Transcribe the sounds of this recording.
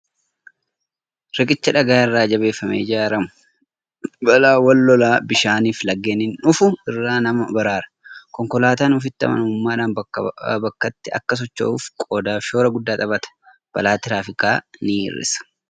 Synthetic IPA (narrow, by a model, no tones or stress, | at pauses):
ɾɪkʼɪt͡ʃːɐᶑɐɡaːɪrːaːd͡ʒɐbe̞ːfːɐmḛːd͡ʒaːɾɐmʊ̥ | bɐlaːwɐlːɔlaːbɪʃaːniːflɐɡːeːnɪnᶑʊfʊɪrːaːnɐmɐbɐɾaːɾɐ̥ | kɔŋkɔlaːt̪aːnʊfɪt̪ːɐ̰mɐ̰nʊmʊmːaːᶑaːnbbɐkːɐt̪ːɪɐ̰kːɐs̬ɔt͡ʃːo̰ːʊfkʼoːd̪aːfʃo̞ːɾɐɡʊd̪ːaːt̪ʼɐbɐt̪ɐ̥ | b̥ɐlaːt̪ɪɾaːfɪkaːniɪ̰rːɪ̰sɐ̥